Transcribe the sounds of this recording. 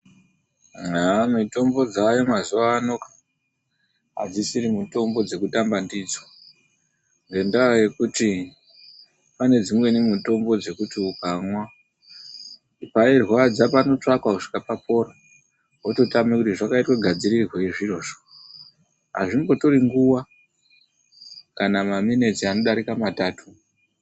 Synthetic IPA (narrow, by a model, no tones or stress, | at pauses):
amito̞mbo̞d͡zajomazuʋaːno̞kḁ | a̰d͡zisiɾimuto̞mbo̞d͡ze̞kutambandid͡zwa | ŋɡe̞ndaoje̞kuti | pane̞d͡zimwe̞nemuto̞mbo̞d͡ze̞kutiukamwa | pairwad͡zapano̞t͡ʂakwakuʂi̥kapapo̞ɾa | ɦototamekutiʐakaitweɡʱad͡ziɾirweiʐiro̞ʐo̥ | ɦa̰ʐiŋbo̞to̞ɾiŋɡuwa | kanamamine̞tiano̞ɗaɾikamataːtu